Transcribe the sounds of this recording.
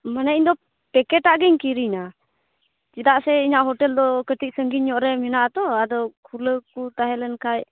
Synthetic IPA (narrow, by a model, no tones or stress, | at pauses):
manaiɲd̪ɔ | pɛkɛʈaʔɡɛɲkiɾina | t͡ʃid̪aʔsɛiɲaʔɦɔʈɛld̪ɔkəʈit̪̚səŋɡiɲːɔʔɾɛmɛnaʔat̪ɔad̪ɔkʰuləkut̪aɦɛlɛnkʰaj